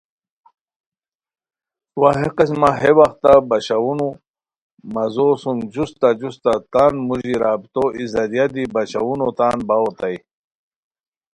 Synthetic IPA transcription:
waɦeqɐsmaɦewɐxt̪abɐɕawunu | mɐzoːsumd͡ʑust̪ad͡ʑust̪at̪anmuʑiɾaːbit̪oizɐɾjad̪ibɐɕawunot̪aːnbawot̪aj

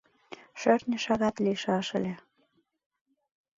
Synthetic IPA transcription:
ʃørnʲə̆ʃɑɣɑt̪liʃɑʃə̰̆lʲĕ

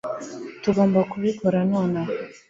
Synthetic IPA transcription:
tuɡoːmbakuβikoɾanwana

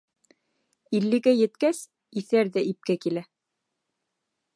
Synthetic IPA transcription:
ilːɘ̆ɡæjɘ̆t̪kæs | iθæɾðæʔip̚kækilæ

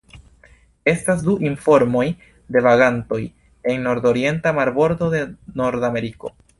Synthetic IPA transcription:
e̞stasduʔinfo̞ɾmo̞j | de̞vaɡanto̞j | e̞ŋːo̞ɾdo̞ɾie̞ntamaɾbo̞ɾdo̞de̞no̞ɾdame̞ɾiko̞̰

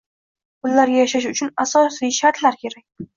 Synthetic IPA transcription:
pʊlːaɾɡʲajaʃaʃ̬ʊt͡ʃʰʊnasɒsijʃaɾt̪ʰlaɾkʲʰe̞ɾakʲ

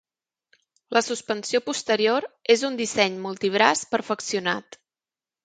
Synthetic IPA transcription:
ləsuspənsiopust̪əɾioɾezund̪isɛɲmulˠt̪iβɾaspəɾfəksiuna̰t̪

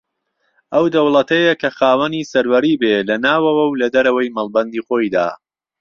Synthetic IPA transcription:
ʔɐwd̪ɐwlˠɐt̪ʰɐjɐkʰɐxaːwɐnisɐɾwɐɾiːbelɐnaːwɐwɐwlɐd̪ɐɾɐwɐjmɐlˠbɐnd̪iːxoːjd̪a̰ː

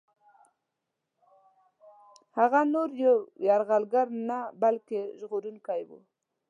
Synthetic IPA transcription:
haɣanoɾjawjɑɾɣalɡaɾnabalkeʒɣoɾunkajwṵ

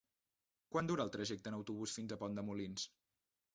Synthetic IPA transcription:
kwand̪uɾəlˠt̪ɾəʒɛk̚t̪ənəwt̪uβusfinzəpɔnd̪əmulins

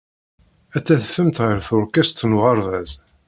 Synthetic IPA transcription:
æt͡sːæθfəmt̪ʁəɾθʊɾkæst̪ːnʁɑɾˤvæz

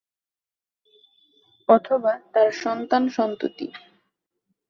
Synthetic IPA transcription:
ɔt̪ʰobat̪aɾʃɔnt̪anʃɔnt̪ṵt̪ḭ

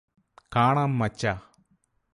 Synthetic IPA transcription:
kaːɳaːmːɐt͡ɕːa

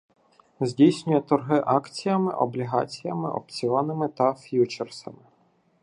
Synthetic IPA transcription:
zʲdʲijsʲnʲʊjɛt̪ɔrɦɪʔɑkt͡sʲijɐmɪ̰ʔɔ̰blʲiɦɑ̰t͡sʲijɐmɪ̰ʔɔ̰pt͡sʲiɔnɪmɪt̪ɐfjut͡ʃersɐmɪ

